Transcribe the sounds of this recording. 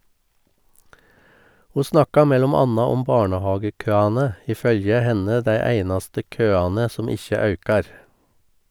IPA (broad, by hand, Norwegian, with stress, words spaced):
ˈhuː ˈsnɑkɑ ˈmɛlɔm ˈɑnɑ ˈɔm ˈbɑːɳəˌhɑːɡəˌkøːɑnə ˈiː ˈfœljə ˈhɛnə ˈdæɪ ˈæɪnɑstə ˈkøːɑnə ˈsɔm ˈɪçə ˈɑʉkɑɾ